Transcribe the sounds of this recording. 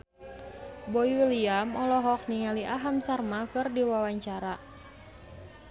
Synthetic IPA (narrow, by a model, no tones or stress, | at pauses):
bɔiwiliamɔlɔɦɔk̚niŋaliʔaɦamsarmakɨrdiwawaɲt͡ʃaɾa